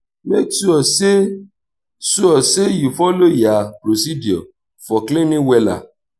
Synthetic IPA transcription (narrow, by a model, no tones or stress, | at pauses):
meksuɔse | suɔsejufɔlojapɾosidiɔ̰ | fɔklẽnĩwɛla̰